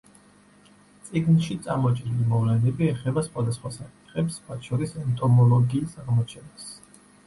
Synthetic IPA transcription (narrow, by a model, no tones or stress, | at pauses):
t̪sʼiɡnʃit̪sʼamɔt͡ʃʼɾilimɔvlɛnɛbiɛχɛbasχwad̪asχwasakʼi̥t̪ʰχɛpsmwat̪ʰʃɔɾisɛnt̪ʼɔmɔlˠɔɡiːsaʁmɔt͡ʃʰɛnas